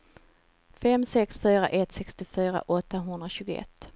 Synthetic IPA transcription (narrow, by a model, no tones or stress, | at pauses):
fɛmsɛksfyːɾa̰ʔɛt̪sɛkst̪ɪfyːɾa̰ʔɔt̪ːaɦɵnd̪ɾaɕʉːɡʊɛ̰t̪ː